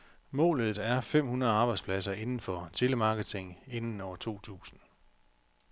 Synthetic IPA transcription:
mɔ̰̽ːlð̩ˠæɐfem̰hunɐð̩ˠɑ̈ːb̥ɑ̈ɪdspʰlæsɐe̝nn̩fɒ̽t͡sʰe̝ləmɑ̈ːɡ̥ət͡sʰe̝ŋe̝nn̩ɒʊɐt͡sʰu̝̰ːt͡sʰṵːsn̩

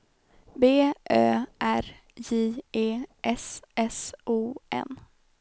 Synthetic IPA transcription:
beːʔøːʔæɾ | jiːeːʔɛsɛsʔuːʔɛ̰n

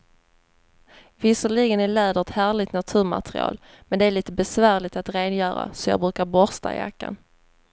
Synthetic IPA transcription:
vɪsəɭɪɡənæɭɛːd̪ət̪hæːɭɪt̪nat̪ʰʉ̟ːɾma̰t̪ɾɪ̰ɑ̰ːl | mɛnd̪ɛæɭiːt̪əbɛsvæːɾɭɪt̪at̪ɾeːnjœːɾa̰sɔjɑ̰ːɡbɾʉ̟ːkaɾbɔɾst̪a̰ɪ̰ja̰kːa̰n

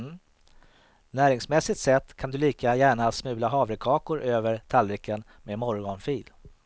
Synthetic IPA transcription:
næːɾɪŋsmɛsːɪt̪sɛt̪ːkʰand̪ɵliːkajæːɳasmʉ̟ːlaɦɑːvɾəkʰɑːkʊɾʔøːvəɾt̪ʰalɾɪkʰːən | meːmɔɾɡɔɳfiːl

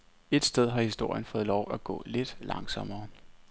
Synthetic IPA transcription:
e̝d̥sd̥eð̞ˠɦɑ̈hisd̥o̝ɐ̰jənfɔ̽ːð̩ˠlɒʊ̰æɡ̥ɔ̰̽ːle̝d̥lɑ̈ŋsɒ̽mɐː

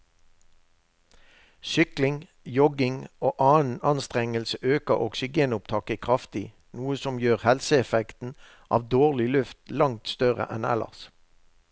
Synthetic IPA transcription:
ʃʏklɪŋ | jɔɡɪŋoːʔɑːən̩ɑnst̪ʁɛŋəlsəʔøːkəʔɔksɪɡeːnʊp̚t̪ʰɑːkəkʰʁɑft̪ɪ | nuːəsɔmjøːʁhɛlsəɛfɛkt̪n̩ | ʔɑ̰ːʋd̪oːʁlɪlʉft̪lɑŋt̪st̪œʁə̰ʔɛnɛ̰lɑ̰ʁs

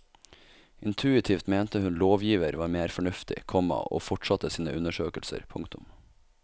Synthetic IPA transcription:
ʔɪnt̪ʰʉːɪt̪ʰiːft̪meːnt̪əhʉnloːʋjiːʋəɾʋɑːɾmeːɾfɔɳʉft̪ʰɪ̰kʰɔmɑ̰o̰ːfɔʈʂɑt̪əsiːnəʔʉnəʃøːkəlsə̰ɾpʰʊŋkt̪ʊm

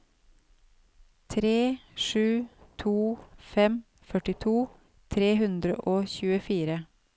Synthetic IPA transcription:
t̪ʰɾeːʂʉːt̪ʰuːfɛm | fœʈɪt̪ʰuː | t̪ʰɾeːɦʉnd̪ɾə̰ʔoːçʉːəfiːɾə

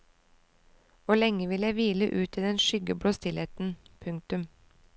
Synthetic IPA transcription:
ʋʊɭɛŋəʋɪljæɪʋiːləʔʉːt̪ʰɪd̪ɛnʃʏɡəbɽoːst̪ɪleːt̪n̩pʰʉŋ̚t̪ʉm

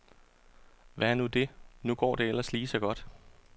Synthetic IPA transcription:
ʋæɐnud̥e̝nuɡ̥ɒ̰ːd̥e̝el̰ɐsliːsɒ̽ɡ̥ɒ̽d̥

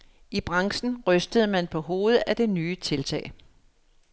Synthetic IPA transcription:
ib̥ʁɑ̈ŋsn̩ʁœsd̥əð̞̩ˠmænpʰɒ̽ɦo̝ːð̞ˠəæd̥e̝nyːt͡sʰe̝lt͡sʰɛ̰ːɪ

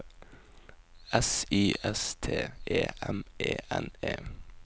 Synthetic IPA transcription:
ɛsiːʔɛst̪ʰeːeːɛmʔeːʔɛneː

